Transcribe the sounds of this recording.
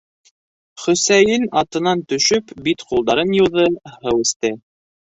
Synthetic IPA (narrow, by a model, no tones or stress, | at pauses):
χɵ̆sæjɘnɑt̪ɤ̆nɑnt̪ɵ̆ʃɵpbit̪qulˠd̪ɑɾɤnjŭwðɤhɤwɘ̆st̪ɘ